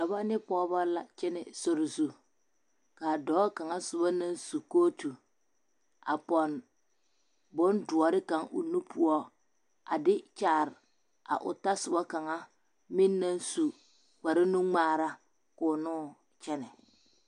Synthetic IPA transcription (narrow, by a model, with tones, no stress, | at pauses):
da˨ba˦nɪ˦pɔː˦ba˦la˨t͡ʃɛ˦nɪ˨so˨ɾɪ˨zu˨ | kaː˨dɔː˨˦ka˨ŋa˦sʊ˨ba˦na˦nsu˨koː˦tu˨ | a̰˨pɔ˨n | bʊ˦ndʊ˨ɔ˨ɾɪ˦ka˨ŋʊ̰˨nu˦pu˦ɔ˦ | a̰˨dɪ˦t͡ʃaː˨ɾɪ˨ | a̰˨ʔʊ̰˨ta˦sʊ˨ba˦ka˨ŋa˦ | mi˦nːa˦nsu˨ | k͡pa˨ɾɪ˦nu˦ŋ͡maː˦˨ɾa˦ | kʊ˨nʊː˦ | t͡ʃɛ˦nɛ˨